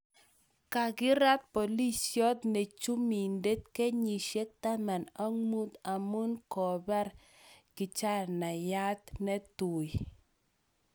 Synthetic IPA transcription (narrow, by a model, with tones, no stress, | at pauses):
ka˨ɡɪ˦ɾa˦t̪̚po˨li˦sjɔ˦t̪ne˨t͡ʃu˦mi˨nde˦t̪ke˦ɲi˨ʃe˦t̪a˦ma˨na˦ŋu˦t̪a˨mu˦nkɔ˨ba˦ɾ | kɪ˨t͡ʃa˦na˨ja˦t̪nɛ˦t̪u˨j